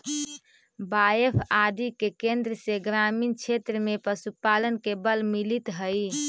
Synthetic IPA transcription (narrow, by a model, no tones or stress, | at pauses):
baepʰad̪ikekẽnd̪ɾəseɡɾamint͡ʃʰet̪ɾəmepəsupalənkebəlmilit̪ɦəj